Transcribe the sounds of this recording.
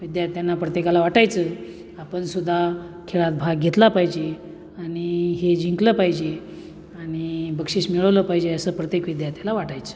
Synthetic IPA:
ʋid̪jaɾt̪janːapɾət̪jekalaʋaʈajt͡sə | apəɳsud̪ʱːa | kʰeɭat̪̚bʱaɡɡʱet̪lapaɦjd͡ʑe | aɽ̃iɦed͡ʑiŋkləpaɦjd͡ʑe | aɽ̃ibəkʂiːɕmiɭəʋləpaɦjd͡ʑeəsəːpɾət̪jekʋid̪jaɾt̪ʰjalaʋaʈajt͡sə̥ː

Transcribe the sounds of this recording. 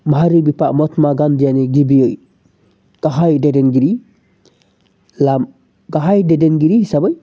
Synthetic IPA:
maɦaɾibipaʔmɔtmaɡandianiɡibijoj | ɡ̥aɦajdɛdɛnɡiɾi | lam | ɡaɦajdɛdɛnɡiɾisabaj

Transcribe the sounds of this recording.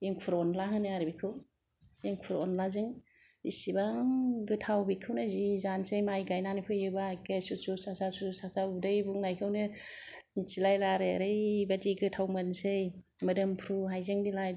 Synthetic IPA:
eŋkʰuɾɔnlaɦɯnɯaɾbikʰɯw | eŋkʰuɾɔnlazɯŋ | bisibaŋŋɡɯtʰawbikʰɯwnɯzizansejmajɡajnanipʰɯjɯbakajsususasasusasabdɯjbuŋnajkʰɯwnɯmit͡ʃilajlaɾeɾɯjbadiɡɯtʰawmɯnsejmɯdɯmpʰɾuɦajzɯŋbilaj

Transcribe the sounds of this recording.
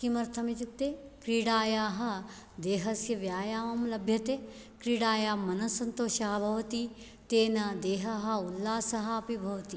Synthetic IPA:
kimɐɾt̪ʰɐmit̪ikt̪eː | kɾiːɽaːjaːɦɐ̆ | d̪eːɦɐsjɐʋjaːjaːmɐmlɐbʱjɐt̪eː | kɾiːɽaːjaːmɐnɐsɐnt̪oːʃaːɦɐbʱɐʋɐt̪i | t̪eːnɐd̪eːɦɐɦɐ̆ulːaːsɐɦɐɐpibʱɐʋɐt̪i

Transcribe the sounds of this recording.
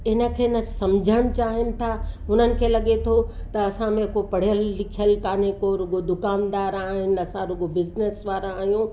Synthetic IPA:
ɪnə̆kʰeːnə̆sɐ̃md͡ʑʱəɽ̃t͡ɕaːɦɪnɪ̆t̪ʰaːɦʊnənɪ̆kʰeːlɐɠet̪ʰo | t̪ɐɐsãmẽkopɐɽ̤ijəlːɪkʰijəlkaːnekoɾʊɡod̪ʊkaːnd̪aːɾaːɦɪnɪ̆ɐsãɾʊɠobɪznesʋaːɾãaːɦijũ

